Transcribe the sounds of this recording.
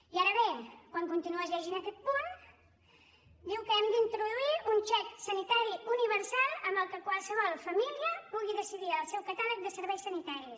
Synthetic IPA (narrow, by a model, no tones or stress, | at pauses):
iaɾəβekwaŋkunt̪inuəzʎɛʒinəkɛt̪̚pun | d̪iwkəɛmd̪əint̪ɾuðuiunt͡ʃɛksənit̪aɾiuniβəɾsalˠəmbəlˠkəkwalˠsəβɔlˠfəmiliəpuɣiðəsiðiəlˠsɛwkat̪alək̚d̪əsəɾβɛjsːənit̪aɾis